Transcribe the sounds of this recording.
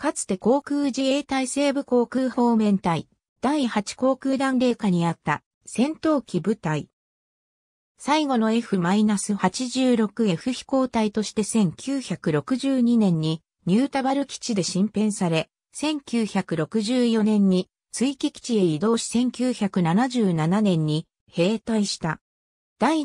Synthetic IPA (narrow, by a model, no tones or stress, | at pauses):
kat͡sɨ̥t̪e̞ko̞ːkɯːʑie̞ːt̪aise̞ːbɯ̟ko̞ːkɯːho̞ːmẽ̞nt̪ai | d̪̥aihat͡ɕi̥ko̞ːkɯ̟ːd̪ãnɾe̞ːkaɲ̟iat̪ːa̰ | sẽ̞nt̪o̞ːkʲibɯ̟t̪ai | saiɡo̞no̞e̞ɸɯ̟mainasɨhat͡ɕiʑɨːɾo̞kɯ̟e̞ɸɯ̟çi̥ko̞ːt̪ait̪o̞ɕi̥t̪e̞sẽ̞ŋkʲɨːçakɯ̟ɾo̞kɯ̟ʑɨːɲ̟inẽ̞ɲ̟ːi | ɲɨːt̪abaɾɯ̟kʲi̥t͡ɕid̪e̞ɕĩmpẽ̞ɰ̃saɾe̞ | sẽ̞ŋkʲɨːçakɯ̟ɾo̞kɯ̟ʑɨːjo̞nẽ̞ɲ̟ːi | t͡sɨikʲikʲi̥t͡ɕieid̪o̞ːɕi̥sẽ̞ŋkʲɨːçakɯ̟nanaʑɨːnananẽ̞ɲ̟ːi | he̞ːt̪aiɕi̥t̪a | d̪̥ai